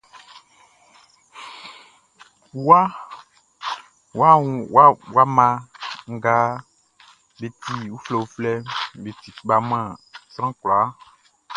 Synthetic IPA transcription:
wa˦ | wa˦˨wa˦wa˦mã˨ŋ̩˦ɡa˦ | be˨t̪i˦wu˦flɛ˨u˦flɛ˦be˨t̪i˨k͡pa˨mã˦˨sɾ̃ã˦klɔ˨a˦

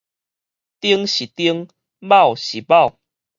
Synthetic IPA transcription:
t̪i˦əŋɕi˨˩t̪i˦əŋ | ba˥˨wɕi˨˩ba˥˨ʊw

